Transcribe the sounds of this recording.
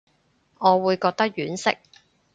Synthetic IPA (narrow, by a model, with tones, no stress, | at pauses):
ŋɔː˨˧wuː˨˧jkɔː˧k̚t̪ɐ˥k̚jyː˨˥nsɪ̰˥k̚